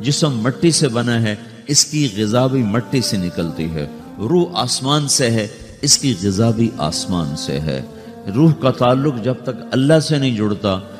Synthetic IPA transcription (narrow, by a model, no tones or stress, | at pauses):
d͡ʒɪsmːɐʈːisebɐnaɦɛ | ɪskiɣɪzaːbimɐʈːisenɪkəlt̪iɦɛ̰ː | ɾuːɦaːsmaːnseɦɛ | ɪskiɣɪzaːbiʔa̰ːsmaːnsḛɦɛ̰ː | ɾuːɦkat̪aːlːʊkd͡ʒɐb̚t̪ɐkɐlːasenɐɦĩd͡ʒʊɽt̪aː